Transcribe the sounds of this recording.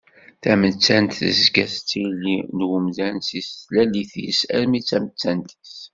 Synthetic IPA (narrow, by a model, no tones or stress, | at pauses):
θæmət͡sːænt̪θə̰zɡæst͡sːijlːinwumðænsisθlæliθsæɾmit͡sːæmət͡sːænt̪s